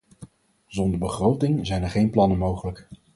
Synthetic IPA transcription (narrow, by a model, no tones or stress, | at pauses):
zɔndəɹbəχrowtɪŋzɛjnɛɹχejnplɑnəmowχələk